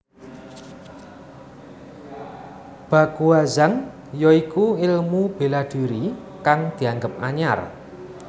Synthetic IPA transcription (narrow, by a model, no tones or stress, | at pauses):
b̥ä̤kuazan | jɔikuɪlmub̥e̤laɖ̥ṳɾi | kaŋd̪̥i̤aŋɡəp̚ʔaɲa̰r